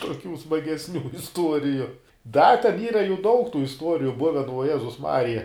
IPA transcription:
tuɔˈkʲuː smɐɡʲɛsʲˈnʲuː ɪsˈtuɔrʲɪjʊ dɐ tʲɛn ˈiːrɐ juː dɐʊk tuː ɪsˈtuɔrʲɪjʊ ˈbʊʋʲɛn ʋuɔ ˈjæːzʊs ˈmɑːrʲɪjɛ

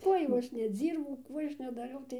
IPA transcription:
ˈkuɔj jɛʊ ˈɐʃ nʲɛˈd͡zʲiːrbɐʊ ˈkuː ˈɐʃ nʲɛdɐˈrʲɛʊ tɐɪ

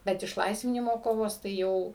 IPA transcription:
bʲɛt ɪʃˈlˠɐɪsʲʋʲɪnʲɪmoː ˈkoːʋoːs tɐɪ ˈjɛʊ

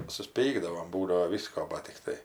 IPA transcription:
sʊsʲˈpʲiːɡdɐʋoːm ˈbuːdɐʋoː ˈʋʲiːskoː ˈbɐt tʲɪkˈtɐɪ

